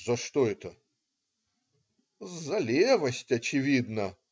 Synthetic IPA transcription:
zɐʂt̪oɛt̪ə | zɐlʲevɐsʲtʲɐt͡ɕɪvʲid̪nɐ

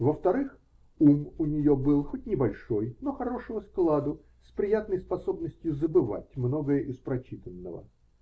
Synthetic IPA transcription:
vəft̪ɐɾɨx | umʊnʲɪjo̞bɨlˠxot̚ʲnʲɪbɐlʲʂo̞jno̞xɐɾo̞ʂəvəsklˠad̪ʊ | spɾʲɪjat̪nəjspɐso̞bnəsʲtʲjʊzəbɨva̰tʲmno̞ɡəjəʔɪspɾɐt͡ɕit̪ənːə̰və̰

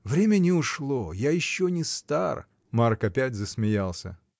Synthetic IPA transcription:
vɾʲemʲənʲɪʊʂlˠojajɪɕːonʲɪst̪ar | markɐpʲætʲzəsmʲɪjalˠsʲə̰

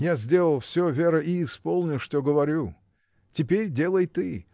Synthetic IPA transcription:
jazʲdʲe̞lˠəlˠfsʲɵvʲe̞ɾəʔiːspolˠnʲʊʂt̪oɡəvɐɾʲu | tʲɪpʲeɾʲdʲe̞lˠəjt̪ɨ

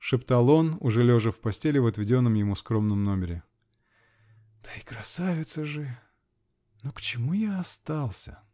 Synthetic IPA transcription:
ʂɨpt̪alˠo̞nʊʐɛlʲoʐɨfpɐsʲtʲelʲɪvət̪vʲɪdʲo̞nːəmjɪmuskɾo̞mnəmno̞mʲɪɾʲɪ | d̪̥ə̥ikɾɐsavʲɪt̪səʐɨ | nokt͡ɕɪmujaːst̪alˠsʲə̰

